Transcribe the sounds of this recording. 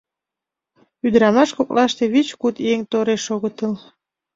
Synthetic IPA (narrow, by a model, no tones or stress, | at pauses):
yd̪əɾɑmɑʃkoklɑʃt̪eβit͡ɕkut̪eŋt̪oɾeʃoɣət̪əl